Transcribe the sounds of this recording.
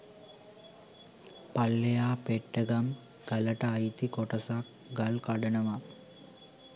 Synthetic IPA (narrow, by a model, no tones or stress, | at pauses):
pɐlːɐjaːpeʈːɐɡɐm | ɡɐlɐʈɐːjt̪ikoʈːɐsak | ɡɐlkɐɖɐnɐʋa